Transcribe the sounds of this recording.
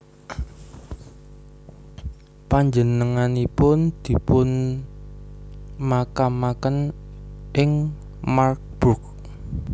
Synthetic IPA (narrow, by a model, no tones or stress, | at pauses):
paɲd͡ʒənəŋanipʊnd̪̥i̤pʊn | makamakən | ʔɪŋ | mark̚b̥ʊk̚